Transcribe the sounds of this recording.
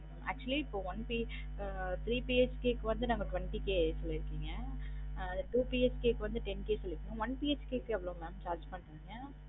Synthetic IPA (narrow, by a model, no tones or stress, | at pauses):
æ̰ːk̚t͡ʃuɐliɪpːoʋɐnpi | t̪ɾiːpied͡ʒkeːkːɯʋɐnd̪ɯnɐːŋɡɐkʋɛɳʈikesɔlːɪɾɯkːiːŋɡɐ | ɐnd̪ɐʈuːpied͡ʒkeːkːɯʋɐnd̪ɯʈɛnkeːsɔlːɪʈːõʋɐnpied͡ʒkeːkːɯɛʋɐlõmɛːmt͡ʃaːɾd͡ʒpɐɳʈaiŋɡɐ